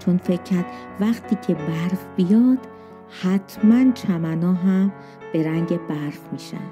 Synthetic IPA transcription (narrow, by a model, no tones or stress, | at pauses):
t͡ʃʰonfecʰːæɾd̪ | væχt̪ʰiːcʰe̞bæɾfb̥ijɒːd̪̥ | hæt̪ʰmænt͡ʃʰæmænɒːɦæm | b̥e̞ɾæŋɟebæɾfmiːʃæ̰d̪